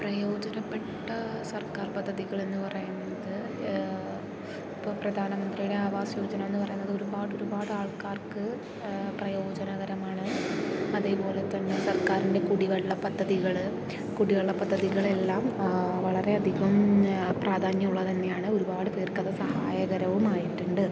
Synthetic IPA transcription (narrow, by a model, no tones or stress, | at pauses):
prɐjo̞ːd͡ʑɐnɐpːe̞ʈːɐsɐrkaːrpɐd̪ʱːɐðiɣɐɭe̞nːɨpɐrɐjunːɐðɨ | ipːoprɐd̪ʱaːnɐmɐnd̪rijuɽe̞aːʋaːsjoːd͡ʑɐnɐme̞nːɨpɐrɐjunːɐðɨo̞ɾubaːɽo̞ɾubaːɽɨaːɭkaːrkɨ | prɐjo̞ːd͡ʑɐnɐɣɐɾɐmaːɳɨɐðe̞ːpo̞ːle̞t̪ːɐnːe̞sɐrkaːɾinde̞kuɽiʋɐɭːɐpɐd̪ʱːɐðiɣɐɭ | kuɽiʋɐɭːɐpɐd̪ʱːɐðiɣɐɭe̞lːaːmʋɐɭɐre̞ɐd̪ʱiɣɐmpraːd̪ʱaːɲjɐmuɭːɐðɐnːe̞jaːɳɨo̞ɾubaːɽɨpeːrkːɐðɐsɐhaːjɐɣɐɾɐʋumaːjiʈːuɳɖɨ